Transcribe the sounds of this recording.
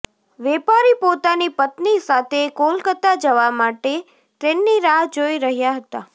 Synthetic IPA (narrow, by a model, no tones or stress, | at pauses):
ʋɛpaɾipot̪anipət̪nisat̪ʰekolkət̪ad͡ʒəʋamaʈe | t̪ɾenːiɾaɦd͡ʒoiɾəɦjaɦət̪a